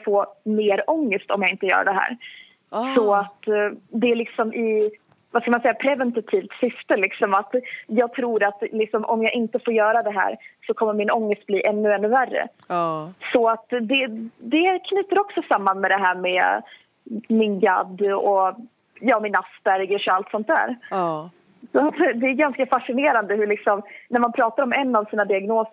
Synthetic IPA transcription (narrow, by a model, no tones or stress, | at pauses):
foːmeːɾɔŋːəst̪ɔ̰mjɑɡɪnt̪əjœ̰ːɾa̰ɖɛɦæ̰ːɾ | sɔat̪d̪ɛælɪksɔmʔɪ | vaskamansɛjːapʰɾɛvɛnt̪at̪ʰiːvt̪sʏft̪əlɪksɔmat̪jɑːɡ̚t̪ʰɾuːɾat̪lɪksɔmʔɔmjɑːɡʔɪnt̪əfoːɾjœːɾad̪ɛɦæ̰ːɾsɔkʰɔmːəɾmɪnɔŋːəst̪̚bliːʔɛnːɵɛnːɵværːə̰ | sɔat̪d̪ɛd̪ɛkʰnyːt̪əɾɔksɔsamːanmɛd̪ɛɦæːɾmɛ | mɪnɡa̰d̪ːɔ | jɑːmɪnasbæɾɡəʂɔalt̪sɔnt̪d̪æ̰ːɾ | sɔat̪d̪ɛæɾɡanskafaʂɪneːɾand̪əɦɵɭɪksɔmnæɾmanpʰɾɑːt̪aɾɔmɛnːavsiːnad̪ɪaɡnoːs